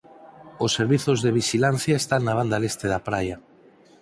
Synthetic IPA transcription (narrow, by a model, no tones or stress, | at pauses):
osːeɾβiθozðeβ̞iʃilanθjaest̪aŋnaβ̞and̪alest̪eðapɾaja